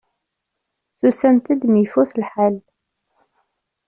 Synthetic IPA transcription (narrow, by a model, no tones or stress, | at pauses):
θusænt̪əd̪mifuθlħal